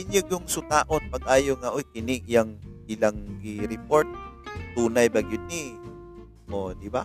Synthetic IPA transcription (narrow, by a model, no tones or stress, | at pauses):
ɪɲɐɡjʊŋsʊt̪aːʔonpɐɡ̚ʔaːjoŋaʔojkɪnɪʔjɐŋɪlaŋɡiɾɪpoɹt̪̚t̪uːnɐjbɐɡɪnɪ | ʔod̪ɪba